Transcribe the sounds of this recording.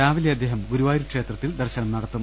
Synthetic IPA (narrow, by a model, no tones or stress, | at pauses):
aːʋɐljɐd̪ːeːɦɐmɡuɾuʋaːjiɾukʂe̞ːt̪rɐt̪ːild̪ɐrɕɐnɐmnɐɽɐt̪ːum